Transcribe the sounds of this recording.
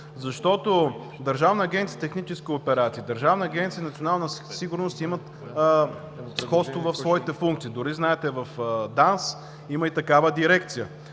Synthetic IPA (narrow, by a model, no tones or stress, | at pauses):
zɐʃt̪ɔt̪o | d̪ɐɾʒavnəːɡʲɛnt̪sijət̪ɛxnit͡ʃɛskʲiopɛɾat̪siːd̪əɾʒavnɐɐɡʲɛnt̪siəinɐt̪sʲionalˠnəsiɡʊɾnost̪imət̪ | sxɔt̪st̪vovɐfsvɔit̪ɛfuŋkt̪sid̪ʊɾiznaɛt̪ɛvɐfd̪ans | iməit̪ɐkavəd̪iɾɛk̚t̪sijə